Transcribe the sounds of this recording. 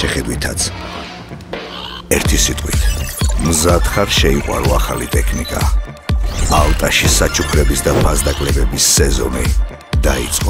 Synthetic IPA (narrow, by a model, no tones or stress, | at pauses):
ʃɛχɛd̪wit̪ʰat̪sʰ | ɛɾt̪ʰisit̪ʼqʼwḭt̪ʰmzad̪χaɾʃɛiqʼwa̰ɾɔaχalit̪ʼɛkʰnikʼa̰ | alˠt̪ʼaʃisat͡ʃʰupʰɾɛbisd̪apʰazd̪akʼlɛbɛbisːɛzɔ̰ni | d̪̥aḭt̪sʼqʼɔ